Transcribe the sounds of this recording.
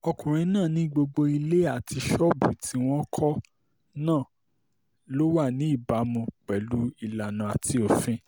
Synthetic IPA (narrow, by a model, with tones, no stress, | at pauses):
ɔ˧kũ˨ɾ̃ĩ˧nãː˦˨nĩ˦ɡ͡bo˧ɡ͡bo˧i˧le˦a˦˨ti˧ʃɔ˦bṵ˨ti˧w̃ɔ̃˦kʰɔ˦ | nãː˦˨ | lo˦wa˦˨nĩ˨˦i˦˨ba˨˦mũ˧k͡pɛ˨lu˦i˧la˨nũ˨a˨ti˧o˨fĩ˦